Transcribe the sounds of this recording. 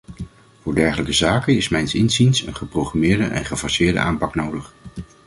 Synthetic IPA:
vʊːɹdɛɹχələkəzaːkənɪsmɛjnsɪnzinsə̰nχəprowχramɪːɹdəʔɛ̰nχəvɔsɪːɹdə̰ʔaːmpɑknowdəχ

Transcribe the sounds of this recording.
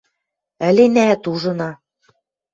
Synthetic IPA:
ɘ̆lenæt̪uʒɤ̆nɑ

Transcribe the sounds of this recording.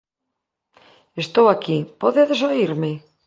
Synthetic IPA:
est̪owakipɔðeðesoiɾmɪ

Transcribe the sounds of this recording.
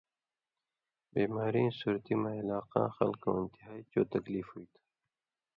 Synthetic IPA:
biːmaːɾĩːsuːɾt̪imãɪlaːqã̰ːxɐ̰lko̰ːɪnt̪iɦaːit͡ɕoːt̪ɐkliːfhuit̪ʰː

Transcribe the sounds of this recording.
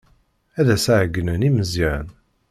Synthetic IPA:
æðæsaʕəɡːənəniməzjæɾn

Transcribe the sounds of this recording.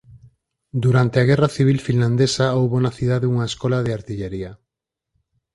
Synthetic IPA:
d̪uɾant̪eaɣɛrɐθiβ̞ilfinland̪esaowβonaθiðaðeuŋɐeskɔlaðeaɾt̪iʎeɾiɐ

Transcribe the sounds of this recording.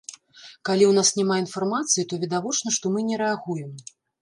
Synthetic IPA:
kalʲiwnasnʲɛmainfarmat̪sɨjit̪ɔvʲɛd̪avɔt͡ʂn̪ɐʂt̪ɔmɨnʲɛɾɛaɣujɛm

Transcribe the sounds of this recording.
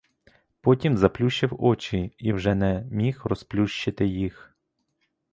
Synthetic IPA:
pɔtʲimzɐplʲuʃt͡ʃːɪwɔt͡ʃiiwʒɛnɛmʲixrɔsplʲuʃt͡ʃɪt̪ɪjix

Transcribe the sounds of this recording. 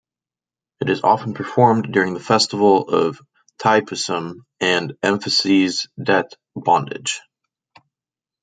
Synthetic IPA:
ɨɾɨzɑ̰fn̩pʰə˞fɔɹmdʊɹɪ̃ŋðəfɛstəvl̩ˠʌv̥ | tʰaɪpʰɨsə̃m | ɨ̃nɛ̃ɱfɨsizdɛθ | b̥ɑ̃ndɪ̰d̥ʒ̥

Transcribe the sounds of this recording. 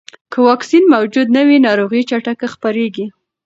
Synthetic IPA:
kəwɑksinmawd͡ʒud̪nawinɑɾoɣit͡ʃaʈakaxpaɾeɡi

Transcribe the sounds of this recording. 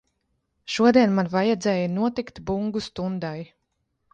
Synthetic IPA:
ʃuɔd̪iɛnmanvajɛd̪zɛːjinuɔt̪ikt̪buŋɡust̪und̪aj

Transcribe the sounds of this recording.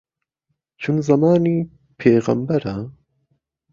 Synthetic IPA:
t͡ʃʰunzɐmɑːniː | pʰeːɣɐ̰mbɐɾɐ

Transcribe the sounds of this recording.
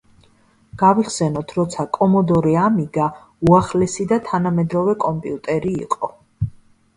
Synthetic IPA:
ɡ̥aviχsɛnɔt̪ʰɾɔt̪sʰakʼɔmɔd̪ɔɾiamiɡa | uaχlɛsid̪at̪ʰanamɛd̪ɾɔvɛkʼɔmpʼḭut̪ʼɛɾḭːqʼɔ

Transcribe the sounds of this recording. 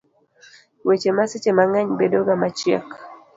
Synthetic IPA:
wet͡ʃemaset͡ʃemaŋaɲbedɔɡamat͡ʃja̰k

